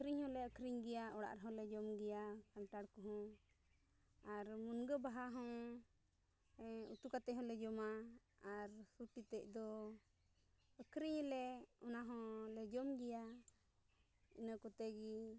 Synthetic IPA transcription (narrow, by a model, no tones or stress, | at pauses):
əkɾiɲhɔ̃lɛəkʰɾiɲɡɛjaɔɽa̰ʔɾɦɔ̃lɛd͡ʒɔmɡɛjakanʈaɽkɔɦɔ̃ | aɾmunɡəbaɦaɦɔ̃ | ɛṵt̪ukat̪ɛɦɔ̃lɛd͡ʒɔmaː | ɾsuʈit̪ɛc̚ˀd̪ɔ | əkʰɾiɲlɛɔnaɦɔ̃lɛd͡ʒɔmɡɛja | ḭnəkɔt̪ɛɡi